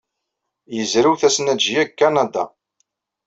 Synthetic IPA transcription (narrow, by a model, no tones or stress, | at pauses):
jəzɾiwθæsnæd͡ʒjækːanad̪ɑ̰